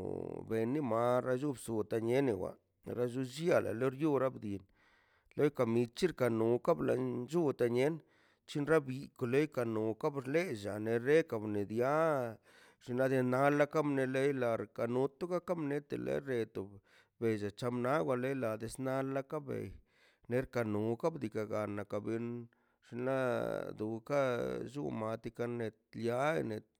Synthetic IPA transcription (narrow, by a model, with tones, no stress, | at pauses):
be˨ni˦ma˧ɾa˧˦ʒu˦bsu˨t̪a˧ɲe˦ne˨wa̰˨˧ | ɾa˦ʒu˦ʃja˦la̰˨lo˦ɾju˦ɾa˦bd̪i˨n | lo˦jka˨mi˧t͡ʃi˦ɾka˨nu˨ka˦bla̰˧d͡ʒu˦t̪a˧ɲe˦n | t͡ʃi˦nɾa˦bi˧ko˨lo˦jka˧nu˨ka˦bɾle˦ʒa̰˨ne˧ɾe˦ka˧˨bne˨d̪ja˦ | ʐ̥i˧nla˦d̪e˧na˧la˦ka˦bne˧le˦jla˧˨ɾka˨nu˧t̪u˦ka˦ka˦mne˧t̪ḛ˨lḛ˧˦ɾe˧t̪o˨b | be˨jd͡ʒa˨t͡ʃa˧mna˦ɡwʷa˧le˦jla˨d̪e˧sna˦la˦ka˦bḛ˨j | ne˧ɾka˨nu˨ka˦bd̪i˨ka˨ɡa˨na˨ka˨bi˧n | ʐ̥i˧nla˦d̪u˨ka˦d͡ʒṵ˦ma˨t̪i˧ka˧ne˧t̪̚lja˦ḛ˧ne˨t̪̚